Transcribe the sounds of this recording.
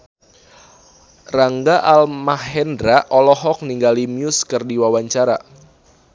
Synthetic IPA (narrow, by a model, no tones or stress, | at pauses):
raŋɡaʔalmahɛndɾaʔɔlɔɦɔk̚niŋɡalimjʊskɨrdiwawaɲt͡ʃaɾa